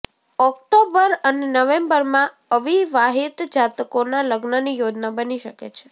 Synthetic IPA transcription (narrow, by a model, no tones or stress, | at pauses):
ɔk̚ʈobəɾənenəʋẽmbəɾmã | əʋiʋaɦit̪d͡ʒat̪konaləɡnənijod͡ʒnabəniʃəkḛt͡ʃʰe̥